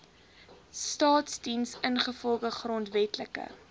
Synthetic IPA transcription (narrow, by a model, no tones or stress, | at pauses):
stɑːtsdinsənχəfɔlˠɡəχrɔntvɛtləkə̰